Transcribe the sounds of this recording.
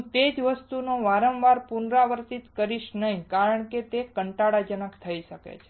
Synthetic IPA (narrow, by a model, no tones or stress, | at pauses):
t̪ed͡ʒʋəst̪unoʋaɾəmʋaɾpunɾaʋəɾt̪it̪kəɾiʃnəɦĩkaɾəɳ̃ket̪ekəɳʈaɽad͡ʒənəkt̪ʰəiʃəkḛt͡ʃʰe̥